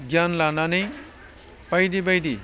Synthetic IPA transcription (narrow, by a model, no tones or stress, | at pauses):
ɡjanlananej | pajd̪ibajd̪i